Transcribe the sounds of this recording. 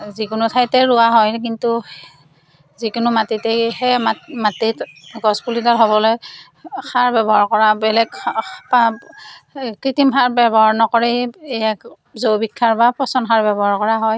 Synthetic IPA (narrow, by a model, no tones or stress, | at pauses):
zikʊnʊtʰajtɛɹʊaɦɔjk̬intu | zikʊnʊmatitɛhɛmamatitɡɔspulitaɹɦɔbɔlɔj | xʰaɹbɛbɔɦaɹkɔɹabɛlɛɡpa | kɹitimxʰaɹbɛbɔɦaɹnɔkɔɹɛejak | zowbikʰːaɹbapɹɔsɔnkʰaɹbɛbɔɦaɹkɔɹaɦɔj